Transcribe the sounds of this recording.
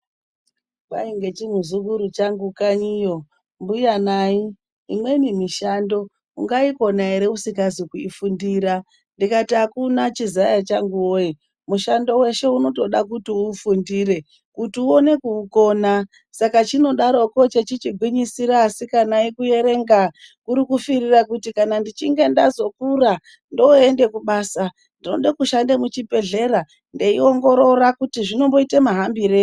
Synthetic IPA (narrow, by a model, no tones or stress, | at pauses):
baiŋɡe̞t͡ʃimuzukuɾut͡ʃaŋɡukaɲijo̞ | mbujanaiː | mwe̞nimiʃando̞ | ṵŋɡaiko̞naiɾeusikazikuifundiːɾa | ndikatiakunat͡ʃizajat͡ʃaŋɡuwoji | muʃando̞we̞ʃe̞uno̞to̞ɗak̬utiufundiɾe̞ | kutiuo̞ne̞kuːko̞ːna | sakat͡ʃino̞ɗaɾo̞ko̞t͡ʃet͡ʃit͡ʃiɡʱwiɲisiɾaːsikanaikuje̞ɾe̞ŋɡakuɾikufirirakutikanandit͡ʃiŋɡe̞ndazo̞kura | ndo̞e̞nde̞kuɓaːsa | ndino̞ɗakuʃandemut͡ʃipe̞ɮe̞ɾa | nde̞io̞ŋɡo̞ɾo̞rakutiʐino̞mbo̞itemaɦambiɾe